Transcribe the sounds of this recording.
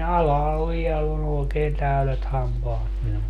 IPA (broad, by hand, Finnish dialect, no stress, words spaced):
ɑlɑhɑl ʋiɛlː on oːkeːn tæylet hɑmpɑːt minul